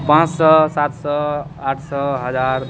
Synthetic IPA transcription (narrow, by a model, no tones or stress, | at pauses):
pãt͡ssʌsat̪sʌaʈʰsʌɦʌd͡zaɾ